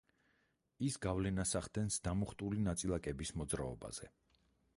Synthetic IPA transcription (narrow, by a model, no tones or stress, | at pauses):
isɡavlɛnasaχd̪ɛnsd̪̥amɔχt̪ʼulinat̪sʼilˠakʼɛbismɔd̪zɾaɔba̰z̥ɛ̰